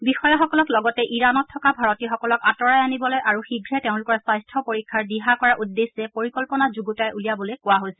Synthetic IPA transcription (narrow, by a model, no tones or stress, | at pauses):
bixɔjaxɔkɔlɔklɔɡɔtɛʔiɹanɔtʰːɔkabʱaɹɔtixɔkɔlɔkatɔɹajanibɔlojʔaɹuxiɡʱɹɛteʊ̃nlʊkɔɹɛsajstʰɔpoɹikʰːaɹdiɦakɔɹaʔudːesɛpoɹikɔlpɔnazuɡutajʔulijabɔlojkʊwaɦojsɛ